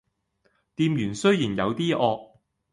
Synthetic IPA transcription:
t̪iː˧mjyː˨˩nsɵ˥ɥjiː˨˩njɐ˨˧wt̪iː˥ʔɔː˧k̚

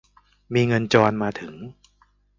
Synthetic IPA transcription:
miː˧ŋɤ˧nt͡ɕɔː˧nmaː˧t̪ʰɯ˩˦ŋ

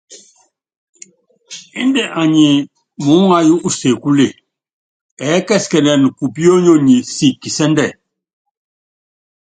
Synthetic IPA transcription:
i˦ndɛ˨ʔa˨ɲi˨ | mu˨˦ŋa˦ju˦ʔu˦se˨ku˦le˦˨ | ɛ˨˦kɛ˦˨skɛ˨nɛ˨n˨ku˨pi˦o˦ɲo˦˨ɲi˨si˦˨kːi˨sɛ˦ndɛ˦˨

